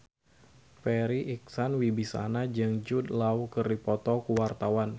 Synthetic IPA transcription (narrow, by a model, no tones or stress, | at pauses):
pɛɾiʔik̚sanwibisa̰nad͡ʒɨŋd͡ʒud̪lawkərdipɔt̪ɔkuwart̪awan